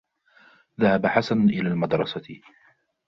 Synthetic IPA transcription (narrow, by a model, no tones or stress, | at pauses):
ðahabaħasanʔɪlaːlmɑd̪ɾˤɑsa